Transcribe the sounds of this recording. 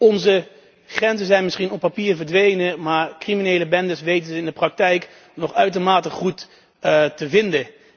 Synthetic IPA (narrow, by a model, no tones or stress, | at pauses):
ɔnzə | χrɛnzəzɛjnmɪsχinɔpːapiːɹvəɹdʋejnəmaːɹkriminejləbɛndəsʋejtənzəɪndəprɑk̚tɛjk | nɔχœɥt̬əɹmaːtəχut | təvɪndə